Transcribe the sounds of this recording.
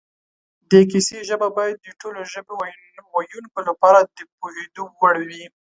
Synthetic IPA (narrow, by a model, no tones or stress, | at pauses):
d̪ek̬iseʒəbabɑjad̪̚ːəʈoloʒəbe | wajunkolapɑɾad̪əpoɦed̪owaɽwi